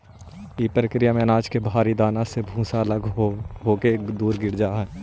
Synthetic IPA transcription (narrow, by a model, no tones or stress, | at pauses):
ipɾəkɾijamẽənaːd͡ʒkebʱaːɾid̪aːnasebʱũːsaələɡɦoːkeːkd̪uːɾɡɪɾd͡ʒaɦɛː